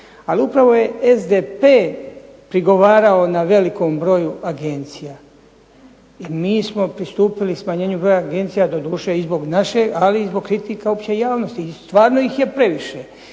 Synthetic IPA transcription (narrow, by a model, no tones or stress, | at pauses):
aliupɾaʋo̞je̞ezd̪epeː | pɾiɡo̞ʋaːɾaonaʋe̞liko̞mbɾo̞juʔaɡe̞nt̪sija | imiːsmo̞pɾist̪uːpilismaɲe̞ːɲubɾo̞jaːɡe̞nt̪sijad̪od̪uːʃeizbo̞ɡnaʃe̞aliizbo̞ɡ̚kɾit̪ikao̞pt͡ɕe̞jaːʋno̞st̪ist̪ʋaːɾnoixje̞pɾe̞ʋiʃe